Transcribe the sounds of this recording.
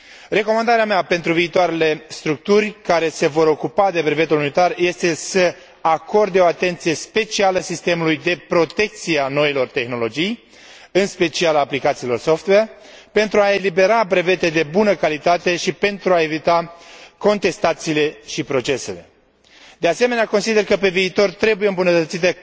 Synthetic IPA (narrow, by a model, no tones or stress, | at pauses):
re̞ko̞mand̪aɾeameape̞nt̪ɾuviːt̪oaɾe̞le̞st̪ɾuk̚t̪urʲkaɾe̞se̞vo̞ɾo̞kupad̪e̞bɾe̞ve̞t̪ulunit̪arje̞st̪e̞sə | ako̞rd̪eo̞at̪e̞nt̪sije̞spe̞t͡ʃialəsist̪e̞mulujd̪e̞pɾo̞t̪e̞k̚t̪siano̞ilo̞rt̪e̞xno̞lo̞d͡ʒij | ɨnspe̞t͡ʃialaːplikat̪siːlo̞rso̞ft̪wer | pe̞nt̪ɾuae̞libe̞ɾabɾe̞ve̞t̪ed̪e̞bunəkalit̪at̪e̞ʃipe̞nt̪ɾuae̞vit̪ako̞nt̪e̞st̪at̪siːle̞ʃipɾo̞t͡ʃe̞se̞le̞ | d̪e̞ase̞me̞neako̞nsid̪e̞rkəpe̞viːt̪o̞rt̪ɾe̞bujeɨmbunət̪ət̪sit̪e